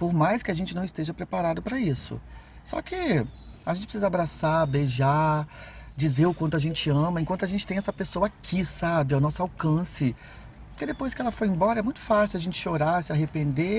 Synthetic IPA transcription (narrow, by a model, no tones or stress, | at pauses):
poɾmajskɪaʒẽnt͡ʃɪñw̃st̪eʒɐpɾepaɾad̪ʊpɾɐisʊ̰ | sɔ̰kɪaʒẽt͡ʃɪpɾsizɐabɾasabeʒa | d͡ʒizeɾʊkwɐ̃nt̪ʊaʒẽnt͡ʃɪɐ̃mɐẽkw̪̃t̪ʊaʒẽnt͡ʃɪ̥t̪ẽɛsɐpesowɐakʰisabɪawnɔsʊawkɐ̃sɪ | ʊkɪd̪epojskɪɛlɐfojẽmbɔɾɐɛmũj̃t̪ʊ̥fasɪwaʒẽnt͡ʃɪ̥ʃoɾasɪaɦepẽnd̪e